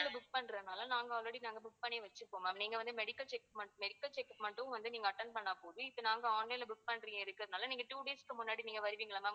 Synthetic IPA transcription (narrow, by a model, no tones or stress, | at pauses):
lɐbʊk̚pɐnɾɐðɯnaːlɐnaːŋɡɐɔːɾeɽinaːŋɡɐbʊʈ̚pɐɳeːʋɐt͡ʃːɯpːoːmɐniːŋɡɐʋɐnd̪mɛɽɪkːɐlt͡ʃɛkmɐɳmɛɽɪkːɐlt͡ʃɛkːpmɐɳʈʊ̃ʋɐnd̪ɯniːŋɡɐːʈːɐɳɖpɐɳːaːpoːðɯɪpːonaːŋɡɐaːnlɐɪlbʊk̚pɐnɾiːŋɡɐɪɾɯkːɯɾɐðɯnaːlɐniːŋɡɐʈuːɽeːskɯmʊnːaːɽiniːŋɡɐʋɐɾɯʋiːŋɡɐɭama